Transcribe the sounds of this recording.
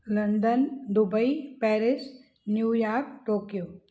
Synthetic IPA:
ləɳɖ̪ənd̪ubəipɛːɾɪs | njuːjaːɾɾkʈoːkjoː

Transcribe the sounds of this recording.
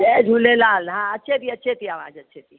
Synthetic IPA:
ed͡ʒʱuːlelaːlɦãːətːʃʰet̪iətːʃʰet̪ʰiaːʋa̰ːd͡ʒətːʃʰet̪ʰi

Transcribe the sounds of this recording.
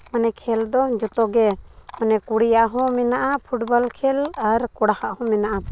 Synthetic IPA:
manɛkʰɛld̪ɔd͡ʒɔt̪ɔɡɛmanɛkuɽijaɦɔ̃mɛnaʔapʰuʈbɔlkʰɛlaɾkɔɽahaʔhɔ̃mɛnaʔa

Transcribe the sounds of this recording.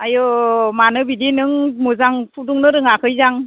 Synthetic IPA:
ajɔmanɯbidinɯŋmuzaŋpʰuduŋnɯɾɯŋakʰɯjzaŋ

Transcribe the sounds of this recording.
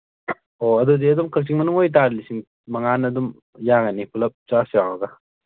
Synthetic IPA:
oɐdudiɐdumkʰɐk̚t͡ʃiŋmɐnuŋojt̬aɾlisiŋ | mɐŋanɐdum | jaɡɐnipʰulɐp̚t͡ʃasjawɐɡa

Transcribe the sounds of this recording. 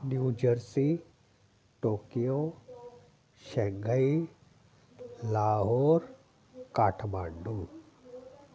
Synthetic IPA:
njuːd͡ʒəɾsi | ʈoːkijo | ʃɛ̃ŋɡʱəi | laːɦoːɾ | kaːʈʰmãːɳɖũː

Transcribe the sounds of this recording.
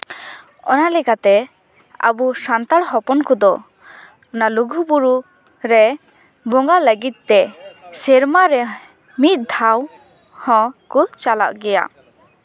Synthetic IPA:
ɔ̰nalɛkat̪ɛ | a̰busant̪aɽɦɔpɔnkɔd̪ɔ | ɔnaluɡʱubuɾu | ɾɛ | bɔŋɡaləɡit̪̚ːɛsɛɾmaɾɛ | mit̪̚d̪ʱaw | hɔ̃kut͡ʃala̰ʔɡɛja̰

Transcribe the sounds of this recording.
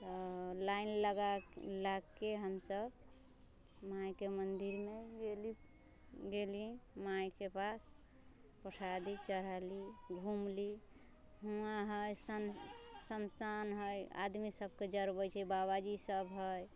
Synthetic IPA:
t̪ɔlainləɡalaɡkeɦəmsəb | majkemənd̪iɾmeɡeli | ɡelimajkepas | pəʈʰad̪it͡ʃəɾaliɡʱumli | ɦuaɦəjsəsənsanɦəja̰d̪misəb̚ʱked͡ʒəɾbət͡ʃʰɛbaβad͡ʒisəbɦəj

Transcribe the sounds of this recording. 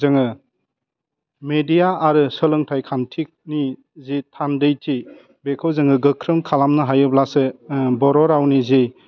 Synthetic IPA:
zɯŋɯ | medijaaɾɯsəlɯŋtʰajkʰantʰik̚ni | zitʰandɯjtʰi | bekʰɯwzɯŋɯɡɯkʰɾɯmkʰalamnɯɦajɯblasɯbɔɾɔɾawnizi

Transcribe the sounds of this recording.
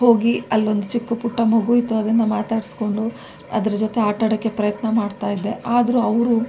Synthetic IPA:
ɦo̞ːɡiɐlːo̞nd̪ut͡ʃikːupuʈːɐmɐɡujit̪uɐd̪ɐnːɐmaːt̪aːɽisko̞ɳɖu | ɐ̰d̪ɐɾɐd͡ʒot̪eaːʈɐɽɐkːe̞pɾɐjɐt̪nɐmaːɖt̪aːjid̪ːe̞ʔaːd̪ɐɾuɐʋɾu

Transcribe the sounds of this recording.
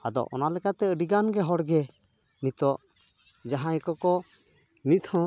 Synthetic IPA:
ad̪ɔ̰ʔɔ̰nalɛkat̪ɛəɖiɡanɡɛɦɔɽɡɛ | nit̪ɔʔ | d͡ʒaɦãjkɔkɔ | nit̪ʰɔ̃

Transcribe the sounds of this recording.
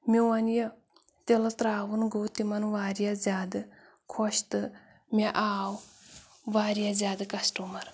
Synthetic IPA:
mʲewɐnjə | t̪elɐt̪ɾaːwɨnɡowt̪imɐnʋaːɾjazʲaːd̪ɨ | kʰoʃt̪ɨ | mʲeʔaːw | ʋaːɾjazʲaːd̪ɨkɐsʈumɐɾ

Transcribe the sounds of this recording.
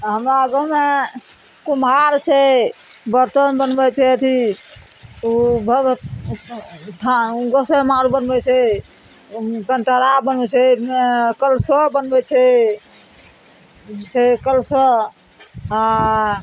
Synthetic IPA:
ɦəmɾaəɡəme | kumaɾt͡ʃʰɛ | bəɾt̪ənbənbɛt͡ʃʰɛt̪ʰi | ubʱə | ʈʰaɡɔsemaɾubənbɛt͡ʃʰɛ | kənʈəɾabənbɛt͡ʃʰɛ | kəlsɔbənbɛt͡ʃʰɛ | t͡ʃʰɛkəlsɔ | a

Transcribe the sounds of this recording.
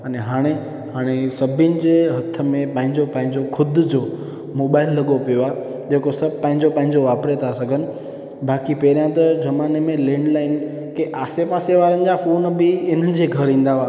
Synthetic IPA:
ɐneɦaːɽ̃e | ɦaːɽ̃esɐbʱɪnɪ̆d͡ʑeːɦɐt̪ʰːə̆mẽpɐ̃ɦɪ̃ɲd͡ʑopɐ̃ɦɪ̃ɲd͡ʑokʰʊd̪ʱd͡ʑo | moːɓaːɪlːɐɠopijoaː | d͡ʑeːkosɐbʱpɐ̃ɦɪ̃ɲd͡ʑopɐ̃ɦɪ̃ɲd͡ʑoʋaːpɾet̪ʰasɐɡʱənɪ̆ | baːkipeːɾjãt̪ɐd͡ʑɐmaːnemẽlẽːɳɖlaːɪn | keʔaːsepaːseʋaːɾənɪ̆d͡ʑafoːnbʱɪɪn̤ənɪ̆d͡ʑeːɡʱɐɾĩːn̆d̪aʋaː

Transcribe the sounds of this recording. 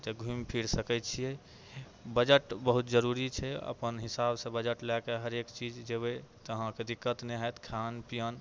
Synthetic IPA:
t̪eɡʱumpʰiɾsəkɛt̪̚t͡ʃʰijɛ | bəd͡ʒəʈbəɦut̪d͡ʒəɾuɾit͡ʃʰɛə̰pənɦisabsẽbəd͡ʒəʈlɛkeɦəɾekt͡ʃid͡ʒd͡ʒebet̪əɦãked̪ikːət̪neɦət̪kʰanpijən

